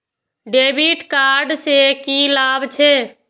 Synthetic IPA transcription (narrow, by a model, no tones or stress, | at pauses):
ɖebiʈkaɾɖsekilabt͡ʃʰe